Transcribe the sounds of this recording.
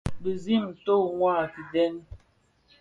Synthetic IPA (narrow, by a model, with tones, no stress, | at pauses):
bə˨zi˦˨m˨to˦˨ŋwaː˦˨ki˨dɛ˦n˦